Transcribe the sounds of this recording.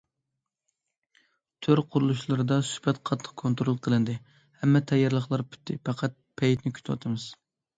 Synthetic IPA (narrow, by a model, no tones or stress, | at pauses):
t̪ʰøɾqʰʊɾulˠuʃlˠɨɾɨd̪ɑsy̥hbɛt̪qʰɑt̪ʰːə̥qkʰont̪ɾolˠqʰəlˠɨnd̪ɨ | hɛmːɛt̪ʰɛjɑɾlˠəχlˠɑɾpʰy̥t̪ʰːɪpɑqʰæt̪̚pʰɛjt̪nɪkʲʰy̥t̪ʰwɑ̰t̪ʰɨmɨz̥